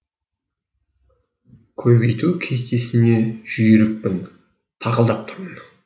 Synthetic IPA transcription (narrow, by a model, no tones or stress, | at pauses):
kʲʰɵbe̞jt̪ukʲʰe̞st̪e̞sɪne̞ʒ̥ʏjeɾɪk̚pɪn | t̪ʰɑʁəlˠd̪ɑp̚t̪ʰə̥ɾmən